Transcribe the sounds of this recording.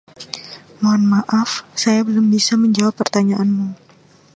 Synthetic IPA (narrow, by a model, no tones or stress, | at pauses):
moanmaʔafsajabəlʊmbisaməɲd͡ʒawapːərt̪aɲaʔanmu